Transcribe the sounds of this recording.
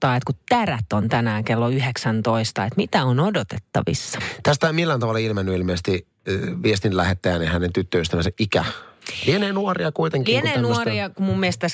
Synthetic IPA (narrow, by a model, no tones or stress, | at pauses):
ɑːet̪kut̪tːæræt̪ont̪ænæːkelːoyɦeksænt̪oist̪ɑet̪mit̪æonodot̪et̪ːɑ̰ʋḭsːɑ̥t̪æst̪æmilːæːnt̪ɑʋɑlːɑilmenːyilmeːˑst̪i | ʋiest̪inlæhet̪ːæjænehænent̪yt̪ːøyst̪æʋænseʔikæ̰lieneːnuoriɑkuit̪eŋklieneːnuoriɑkumumːiest̪t̪æs